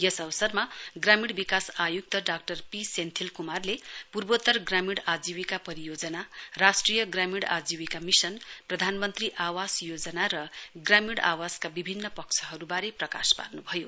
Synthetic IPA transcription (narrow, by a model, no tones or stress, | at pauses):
jʌsʌβʌsʌrmaɡramiɽbikasajuk̚t̪ʌɖak̚ʈʌrpisent̪ʰilkumarlepurbot̪ʌrɡramiɽad͡ziwikapʌɾijod͡zʌnarasʈrijʌɡramiɽa̰d͡ziwikamisʌnprʌd̪ʱanmʌnt̪riʔawasjod͡zʌnaɾʌɡramiɽa̰waskabibʱinːʌpʌkt͡sʰʌɦʌɾubaɾeprʌka̰spa̰rnubʱʌjo